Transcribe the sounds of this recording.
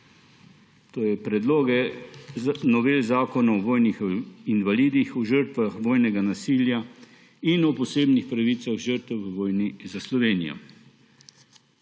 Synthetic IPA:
t̪oːjɛpɾɛd̪loːɡɛ | nɔʋeːlzaːkɔnaɔʋoːjnixinʋaliːd̪ixɔʒəɾt̪ʋaxʋoːjnɛɡanasiːlja | inɔpɔseːbnixpɾaʋit̪saɣʒəɾt̪ɛwʋʋɔːjnizaslɔʋeːnijɔ̰

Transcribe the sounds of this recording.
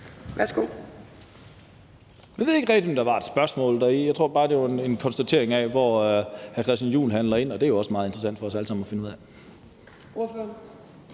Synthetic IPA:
ʋæɐsɡ̥ṵ | ʋiʋe̝ðˠeɡ̥əʁɛɡ̥d̥iɒmd̥ɑ̈ʋɑ̈e̝d̥sb̥ɶɐsmɔ̰̽ːld̥ɑijɑ̈ɪt͡sʰʁo̝ɐ̰b̥ɑ̈ːd̥e̝ʋɑene̝nkʰɒ̽nsd̥æt͡sʰe̝̰ɐ̰eŋɛʋɒhækʰʁɛsd̥ænjṵːlɦænlɐe̝n̰ɒ̽d̥e̝æɐjo̝ɒ̽səmɑ̈ːð̞̩ˠend̥ʁsæn̰d̥fɒ̽ɒsæləsɑ̈m̩ɒfe̝nuð̰ˠɛ | oɐføɐn

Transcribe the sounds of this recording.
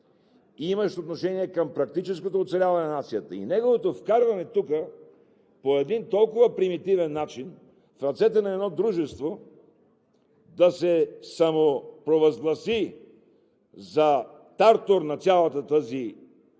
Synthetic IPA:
imɐʃt̪ot̪noʃɛniɛkɐmpɾɐk̚t̪it͡ʃɛs̬kot̪oːt̪sɛlʲavɐnɛnɐnat̪sijət̪əḭnɛɡovot̪ofkaɾvɐnɛt̪ukə | poɛd̪int̪ɔlˠkʊvɐpɾimit̪ivɛnːat͡ʃin | fɾɐt̪sɛt̪ɛnɐɛd̪nɔd̪ɾuʒɛst̪vo | d̪ɐsɛsɐmopɾovɐzɡlˠɐsi | zɐ | t̪aɾt̪oɾnɐt̪sʲjalˠɐt̪ət̪əzi

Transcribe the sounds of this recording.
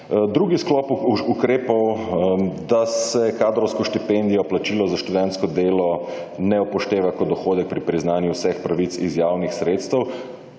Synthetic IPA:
d̪ɾuɡisklɔːpukɾeːpɔw | d̪asɛkaːd̪ɾɔwskɔʃt̪ipend̪ijɔplat͡ʃiːlɔzaʃt̪uʋɛnskɔd̪eːlɔ | nɛupɔʃt̪eːʋakɔd̪ɔxoːd̪ɛk̚pɾipɾiznaːnjuwsɛxpɾaʋit̪sizjaːwnixsɾeːt̪st̪ɛw

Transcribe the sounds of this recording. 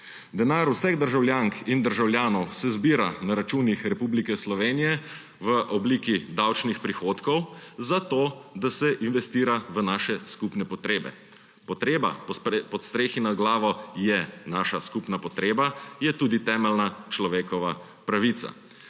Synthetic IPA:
d̪ɛnaːɾusɛɣd̪əɾʒawljaːŋkind̪əɾʒawljaːnɔwsɛzbiːɾanaɾat͡ʃuːnixɾɛpublikɛslɔʋeːnijɛ | ʋəʔɔbliːkid̪awt͡ʃnixpɾixoːt̪kɔwzat̪od̪asɛʔinʋɛst̪iːɾaʋənaːʃɛskupnɛpɔt̪ɾeːbɛ̰ | pɔt̪ɾeːba̰pɔt̪st̪ɾeːxinaɡlaːʋɔjɛnaːʃaskupnapɔt̪ɾeːbajɛt̪uːd̪it̪ɛːmɛlnat͡ʃlɔʋeːkɔʋa | pɾaʋit̪sa̰

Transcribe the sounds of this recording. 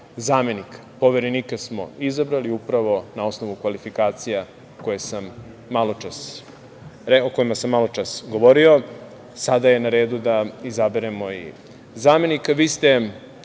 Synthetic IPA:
zaːme̞nikḁpo̞ʋeɾeniːkasmo̞̰izabɾaliupɾaʋo̞nao̞sno̞ʋukʋalifikaːt̪sija | ko̞jesamː | alˠot͡ʃas | ɾeoko̞jimasamːalˠo̞t͡ʃasɡo̞ʋo̞ɾio̞ | sad̪aje̞naɾe̞ːd̪ud̪aizabeɾemo̞ḭ | zaːme̞nikaʋiːst̪e̞

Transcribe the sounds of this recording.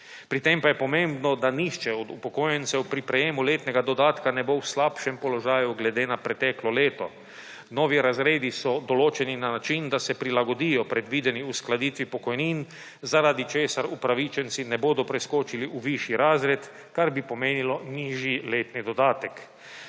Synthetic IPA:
pɾit̪empajɛpɔmẽmbnɔd̪anixt͡ʃɛɔd̪upɔkoːjɛnt̪sɛwpɾipɾɛjemuleːt̪nɛɡad̪ɔd̪aːt̪kanɛbowslaːpʃɛmpɔlɔʒaːjuɡlɛd̪enapɾɛt̪ɛklɔleːt̪ɔ | nɔːʋiɾazɾeːd̪isɔd̪ɔloːt͡ʃɛninanat͡ʃind̪asɛpɾilaɡɔd̪ijɔpɾɛd̪ʋiːd̪ɛniusklad̪iːt̪ʋipɔkɔjnin | zaɾaːd̪it͡ʃeːsaɾupɾaʋit͡ʃɛnt̪sinɛboːd̪ɔpɾɛskoːt͡ʃiliʔuʋiʃjiɾaːzɾɛt̪ | kaɾbipɔmeːnilɔniːʒjileːt̪nid̪ɔd̪aːt̪ɛk

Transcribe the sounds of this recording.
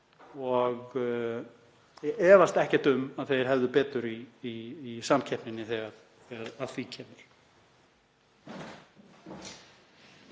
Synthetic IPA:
ɔɣ | ɛːvast̪ɛhcɛ̥ɾ̥t̪ʏmaðθejɾ̥ɦɛvðʏpɛːt̪ʏɾiː | samcʰɛhpnɪnːɪθɛɣaɾ | θɛɣaɾaðθicʰɛːmɪɾ̥

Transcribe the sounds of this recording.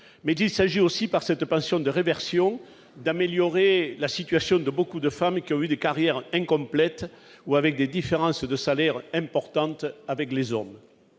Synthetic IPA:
mɛzilsaʒiosipaʁsɛt̪əpɑ̃sjɔ̃d̪əʁevɛʁsjɔ̃ | d̪ameljɔʁelasit̪ɥasjɔ̃d̪əbokud̪əfamkʲiɔ̃yd̪ekaʁjɛʁɛ̃ŋkɔ̃mplɛt̪ | uavɛk̚d̪ed̪ifeʁɑ̃sd̪əsalɛʁɛ̃mpɔʁt̪ɑ̃t̪avɛklezɔm

